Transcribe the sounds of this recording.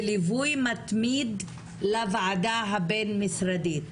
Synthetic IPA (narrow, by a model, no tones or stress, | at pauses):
livujmat̪mid̪ | lavaʕad̪aɦabenmisɾad̪it̪